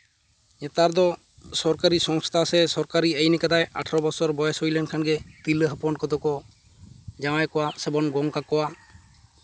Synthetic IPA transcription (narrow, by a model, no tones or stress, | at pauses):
ɲɛt̪aɾd̪ɔ | sɔɾkaɾisɔŋst̪ʰasɛsɔɾkaɾiəjnɛkad̪aja̰ʈʰɔɾɔbɔsɔɾbɔjɛsujlɛnkʰanɡɛt̪iləɦəpɔnkɔd̪ɔkɔ | d͡ʒamajkɔwasɛbɔnɡɔŋkakɔwa